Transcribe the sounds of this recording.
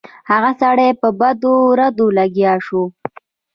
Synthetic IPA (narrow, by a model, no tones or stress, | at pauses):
haɣasaɽepəbad̪oɾad̪olaɡjɑʃo